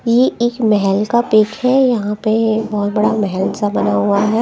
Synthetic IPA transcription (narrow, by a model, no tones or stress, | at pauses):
jeeːkmɛɦɛlkapɪkhɛjɐɦãpebɔɦʊt̪bɐɽamɛɦɛlsabɐnaɦuaɦɛː